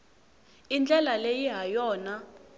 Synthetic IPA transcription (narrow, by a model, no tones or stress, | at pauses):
ind͡ɮɛlalejiɦajɔːna